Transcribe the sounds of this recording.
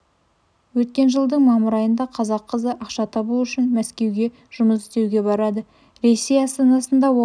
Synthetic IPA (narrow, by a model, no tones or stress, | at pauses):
wɵt̪̚kʲe̞nʒəlˠd̪əɴmɑməɾɑjənd̪ɑqʰɑzɑqʰːəzəʔɑqʃɑt̪ʰɑbuʏʃɪnmæskʲe̞wɡʲe̞ | ʒ̥ʊməs̬ɪ̥st̪ewɡʲe̞bɑɾɑd̪ə | ɾe̞sːejɑst̪ɑnɑsənd̪ɑwo